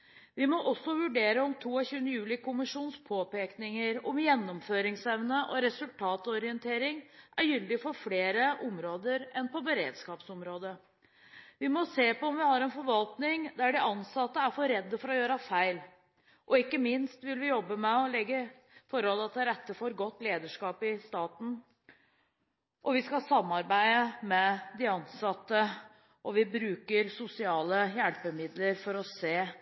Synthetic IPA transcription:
ʋɪmɔʔɔsːɔʋʉɖeːɾəɔmt̪ʰuːɔçʉːənəjʉːlɪkʰʊmɪʂuːnspʰoːpeːknɪŋəɾɔmjɛnːɔmføːɾɪŋsɛʋnəʔɔɾɛsʉlt̪ʰɑːt̪ɔɾɪənt̪ʰeːɾɪŋʔæɾjʏld̪ɪfɔɾfleːɾəʔɔmɾoːd̪əɾɛnpɔbəɾḛːd̪skɑːpsɔmɾoːd̪ə | ʋɪmɔseːpɔɔmʋɪhɑɾɛnfɔɾʋɑlt̪nɪŋd̪æɖɪʔɑnsɑt̪ːəæɾfɔɾɛd̪ːəfɔɾɔjøːɾəfæɪl | ʔɔɪkːəmɪnst̪ʋɪlʋɪjɔbːəmɛɔlɛɡːə | fɔɾɔləɑt̪̚d̪əɾɛt̪ːəfɔːɾɡɔt̪ːleːd̪əʂkɑːpɪst̪ɑːt̪n̩ | ʔɔʋɪskɑsɑmːɑɾbæɪəmɛd̪ɪɑnsɑt̪ːə | ʔɔʋɪbɾʉːkəɾsʊsɪɑːləjælpəmɪd̪ləɾfɔɾɔseː

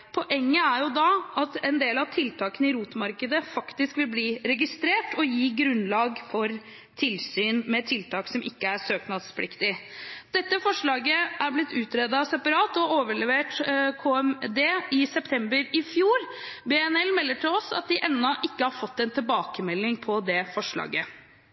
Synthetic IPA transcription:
pʰɔʔɛŋːəæɾjʊd̪ɑʔɑt̪ɛnd̪eːlɑʋt̪ʰɪlt̪ʰɑːkənəɪɾuːt̪mɑɾkəd̪əfɑkt̪ɪskʋɪlbliːɾɛɡɪst̪ɾeːʈɔjiːɡɾʉnlɑːɡfɔɾ | t̪ʰɪlsyːnmɛt̪ʰɪlt̪ʰɑːksɔmʔɪkːəæʂøːknɑd̪spʰlɪkt̪ɪd̪̥ɛt̪ːəfɔʂɭɑːɡəʔæɾblɪt̪ːʉːt̪ɾeːd̪ɑsɛpɑɾɑːt̪ɔoːʋəɭɛʋeːʈkʰoːɛmd̪eːɪsɛpt̪ʰɛmbəɾɪfjuːɾbeɛnɛlmɛlːəʈʰɪlɔsɑ̰t̪̚d̪ɪʔɛnːɔʔɪkːəhɑɾfɔt̪ːɛnt̪ʰɪlbɑːkəmɛlːɪŋpʰɔd̪ɛfɔʂɭɑ̰ːɡə

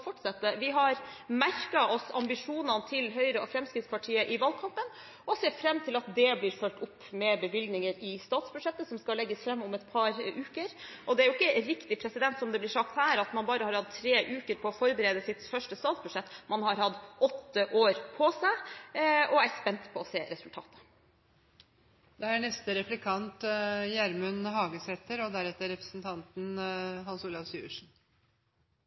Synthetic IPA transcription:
fɔʈsɑt̪ːəʋɪɦɑɾmæɾkɑʔɔsɑ̰mbɪʂuːnɑnt̪ʰɪlɦœʏɾəɔfɾɛmskɾɪt̪spɑʈʰiːəʔɪʋɑlkʰɑmpən | ɔseːfɾɛmːt̪ʰɪlɑt̪d̪ɛblɪːɾfœlʈ̪ʊpːmɛbəʋɪlɡ̪nɪŋəɾɪst̪ɑːt̪sbʉ̥ʂɛt̪ːəsɔmskɑlɛɡːəsfɾɛmːʊmɛt̪pʰɑɾʉːkəɾ | ʔɔd̪ɛæɾʊɪkːəɾɪkt̪ɪpʰɾɛsɪd̪ɛnt̪sɔmd̪ɛblɪʂɑk̚t̪hæːɾɑt̪mɑnbɑːɾəhɑɾhɑd̪̚t̪ʰːɾeːʔʉːkəɾpʰɔːfɔɾbəɾeːd̪əsɪt̪fœʂʈəst̪ɑːt̪sbʉd̪ʂɛt̪ːmɑnhɑɾhɑd̪ːʔɔt̪ːəʔoːɾpʰɔsæɪ | ɔæɾspɛnt̪pʰɔɔseːɾɛsʉlt̪ʰɑ̰ːt̪ə̥ | d̪ɛæɳɛst̪əɾɛplɪkʰɑnt̪jæɾmʉnhɑːɡəsɛt̪ːəɾɔd̪æɾɛt̪ːəɾɛpɾə̥sn̩t̪ʰɑnt̪n̩ɦɑnsuːlɑʋsʉ̰ːəʂn̩

